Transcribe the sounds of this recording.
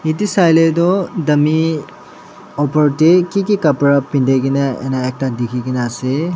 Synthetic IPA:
itisajledɔdɐmi | ɔpɔɾtekikikapɾapindeɡinaḛnaek̚tadikʰiɡinase

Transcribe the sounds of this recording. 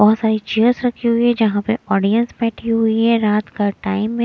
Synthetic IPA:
bɔɦʊt̪saːɾit͡ʃeəɾsɾɐkʰiɦʊiɦɛd͡ʒɐɦãpeɔːɖijə̃nsbɛːʈʰiɦuiɦɛɾaːt̪kaʈaːɪmːẽ

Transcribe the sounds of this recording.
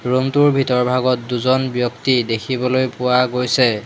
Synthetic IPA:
ɹumtuɹbʱitɔɹbʱaɡɔt̚duzɔnbjɔktidekʰibɔlojpʊwaɡojsɛ

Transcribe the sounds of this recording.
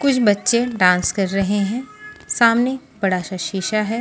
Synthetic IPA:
kʊt͡ʃʰbɐtːʃeɖãːnskɐɾːɐɦeɦɛ̃ːsaːmne | bɐɽaːʃaʃiːʃaɦɛː

